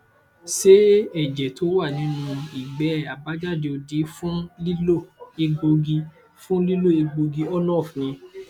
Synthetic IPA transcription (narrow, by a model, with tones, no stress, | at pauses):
ʃe˦ɛ˦˨d͡ʒɛ˨to˨˦wa˦˨nĩ˨˦nũ˧i˨ɡ͡bɛ˨˦a˨ba˨˦d͡ʒa˦˨de˧o˧di˨˦fũ˦li˦lo˦˨e˧ɡ͡bo˧ɡi˧ | fũ˦li˦lo˦e˧ɡ͡bo˧ɡi˧ɔ˦nɔ̃˦ɔ˦˨fnĩ˧